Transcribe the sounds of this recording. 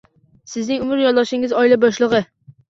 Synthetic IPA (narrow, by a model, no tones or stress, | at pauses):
sɪznɪŋumɪɾjɔlˠd̪ɑʃɪŋɪzɒilɛbɒʃlˠəʁə